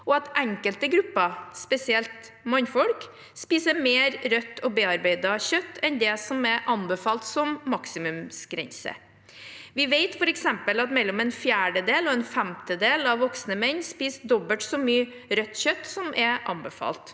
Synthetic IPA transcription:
ɔɑt̪ʔæŋkəlt̪əɡɾʉpːəspɛsɪɛlt̪ | mɔnfɔlk | spiːsəmeːɾɾœt̪ʰːɔbeːɑɾbeɪd̪ɑçœt̪ːɛnd̪ɛsɔmɛʔɑnbəfɑːlt̪sɔmːɑksɪmʉmsɡ̥ɾɛ̰nsə̰ | ʋɪʋeɪt̪fɔɾɛksɛmpəlɑt̪mɛlːɔmɛːnfjæːɖəd̪eːlɔɛnfæmt̪əd̪eːlɑʋʋːɔksnəmɛɲːspiːsd̪ɔbəʈsɔmyːə | ɾœt̪ːçœt̪ːsɔmʔɛʔɑ̰nbəfɑ̰ːlt̪

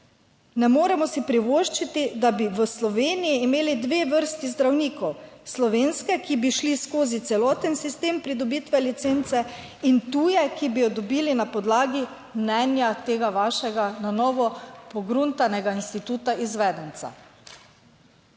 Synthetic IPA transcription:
nɛmoːɾɛmɔsipɾiʋoʃt͡ʃit̪id̪abiʋəslɔʋeːnijiːmeːlid̪ʋeːʋəɾst̪izd̪ɾawniːkɔwslɔʋeːnskɛkibiʃliskoːzit̪sɛlɔːt̪ənsist̪eːmpɾid̪ɔbiːt̪ʋɛlit̪seːnt̪sɛ | int̪uːjɛkibijɔd̪ɔbiːlinapɔd̪laːɡi | mnɛnjat̪eːɡaʋaːʃɛɡananɔːʋɔpɔɡɾunt̪anɛɡainst̪it̪uːt̪aizʋɛːd̪ɛnt̪sa̰

